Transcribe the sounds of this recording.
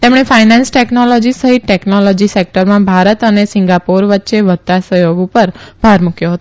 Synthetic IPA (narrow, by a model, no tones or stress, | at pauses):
t̪emɽ̃efainãnsʈeknolɔd͡ʒisəɦit̪̚ʈeknolɔd͡ʒisek̚ʈəɾmãbʱaɾət̪ənesɪŋɡapoɾʋətːʃeʋət̪ːasəjoɡupəɾb̥ʱaɾmukjoɦət̪o